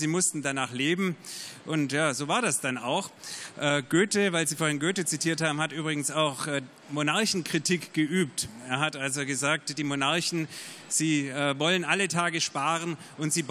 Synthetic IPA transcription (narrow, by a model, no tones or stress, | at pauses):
ziːmʊstn̩danaːχleːbm̩ʔʊntjaːzoːvaːɐdasd̥ana̰ʊxʔɛːɡ̥øːtəvaɪlziːfoɐɪnɡøːtət͡sitʰiːɐthaːbm̩hatʔyːbʁɪɡŋ̩saʊxɛː | monaɐçn̩kʁ̥itʰikɡ̥əʔyːp̚teːɐɦatʔalzoɡəzaːk̚td̥iːmonaɐçn̩z̥iːɛvɔlənʔalətʰaːɡəʃpaːʁən | ʔʊntz̥iːb